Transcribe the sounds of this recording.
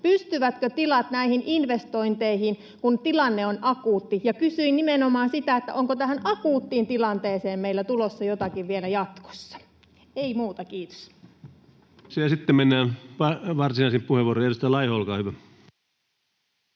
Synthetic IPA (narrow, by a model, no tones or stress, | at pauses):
pyst̪yʋæt̪køt̪ilɑt̪næihinʔinʋest̪o̞int̪eihin | kunt̪ilɑnːeonɑkuːt̪ːijɑkysyinnimenomɑːnsit̪æet̪ːæ̰ʔoŋkot̪æhænɑkuːt̪ːiːnt̪ilɑnt̪eːseːmmeilːæt̪ulosːɑjot̪ɑkiʋʋielæjɑt̪ko̥sːɑ̥ | eimuːt̪ɑkiːt̪o̥s | siæsit̪ːemenːæːnʋɑʋɑrsinɑˑisimppuheʋuoroierust̪ɑjlɑihoolkɑːhyʋæ